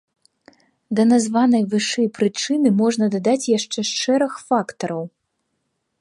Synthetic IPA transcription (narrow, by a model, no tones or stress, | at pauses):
d̪ɐnazvanɐjvɨʂɛjpɾɨt͡ʂɨnɨmɔʐnɐd̪ad̪at͡sʲjaʂt͡ʂɛʂt͡ʂɛɾɐxfakt̪ɐɾɐw